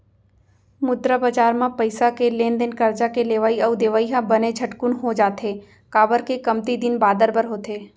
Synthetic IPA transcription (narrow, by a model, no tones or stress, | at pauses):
mʊd̪ɾəbaːd͡ʒaːɾmãpəɪsakelẽːnd̪enkəɾd͡ʒakeleːʋaːiɐʊd̪eːʋaːiɦãbəned͡ʒʰɐʈkʊnɦod͡ʒaːt̪eː | kaːbəɾkekɐmt̪id̪ɪnbaːd̪əɾbəɾɦoːt̪eː